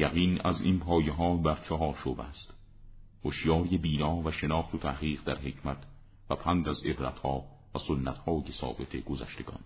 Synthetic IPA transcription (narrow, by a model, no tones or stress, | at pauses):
jæɣiːnæzḭːnpʰɒːjeɦɒːbæɾt͡ʃʰɒɦɒːɾʃobæ̰st̪ | hoʃjɒːɾjebiːnɒːvæʃenɒːχt̪ʰot̪ʰæhʁiːʁd̪æɾɦe̞cʰmæt̪ʰ | væpʰænd̪æze̞bɾæ̰t̪hɒː | væsonːæt̪hɒːjesɒ̰ːbe̞t̪ʰe̞ɡozæ̰ʃt̪e̞ɡ̥ɒ̰ːn